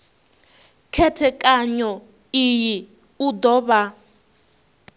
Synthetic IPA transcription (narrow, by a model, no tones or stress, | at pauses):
kʰɛtʰɛkʼaɲɔ | iji | ud̪ɔβa